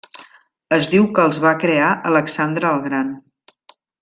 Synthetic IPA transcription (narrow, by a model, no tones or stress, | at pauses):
əzdiwkəːlˠzβakɾeaʔələksand̪ɾəːlˠɣɾan